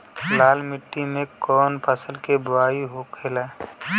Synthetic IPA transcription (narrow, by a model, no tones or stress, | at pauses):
laːlmɪʈːimẽkɔːnpəsəlkebaːiɦokʰeːlaː